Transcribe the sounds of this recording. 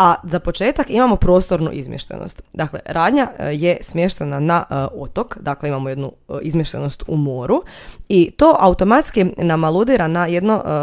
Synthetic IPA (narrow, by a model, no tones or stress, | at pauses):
azapo̞t͡ʃe̞ːt̪akimamo̞pɾo̞ːst̪o̞ɾnṵʔḭzmʲjeʃt̪ḛnʔo̰st̪d̪aklḛɾaːd̪ɲaje̞smje̞ʃt̪e̞nanaot̪o̞kd̪akle̞imamoje̞d̪nu | izmjeʃt̪ḛno̞st̪umo̞ːɾu | it̪o̞ːʔaut̪o̞mat̪skinamalud̪iɾanaje̞d̪no